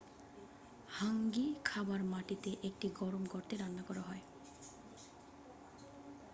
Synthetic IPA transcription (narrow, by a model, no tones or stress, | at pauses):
haŋɡikʰabaɹmaʈit̪eʔek̚ʈiɡɔɾɔmɡɔɾt̪eɾanːakɔɾaɦɔj